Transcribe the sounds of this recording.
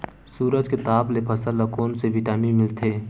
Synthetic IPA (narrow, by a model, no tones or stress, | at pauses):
suːɾəd͡ʒket̪aːplepʰɐsələkoːnseʋɪʈaːnimɪlt̪ʰeː